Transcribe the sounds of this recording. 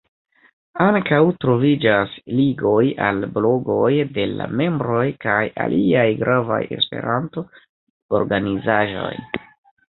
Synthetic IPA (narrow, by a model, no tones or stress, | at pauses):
aŋkawtɾo̞vid͡ʒasliɡo̞jalblo̞ɡo̞jde̞la̰me̞mbɾo̞jkaja̰lʔiajɡɾʔava̰je̞̰spe̞̰ɾʔanto̞ | oɾɡanizaʒo̞̰j